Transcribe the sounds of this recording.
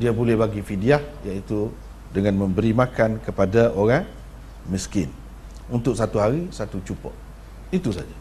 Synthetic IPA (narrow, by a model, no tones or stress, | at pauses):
diabolɛhbaɡifidiahjait̪u | dəŋãnmə̃mbəɾimãkankəpadaʔoɾaŋ | miskɪn | unt̪ʊksat̪uɦaɾisat̪ut͡ʃupɔ̰ʔ | it̪usa̰d͡ʒa